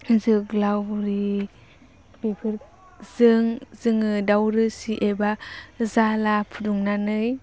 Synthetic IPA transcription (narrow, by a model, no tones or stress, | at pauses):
zɯklawɾi | b̥ipʰɯɾ | z̥ɯŋz̥ɯŋɯdawɾɯsiʔebazalapʰuduŋnanɯj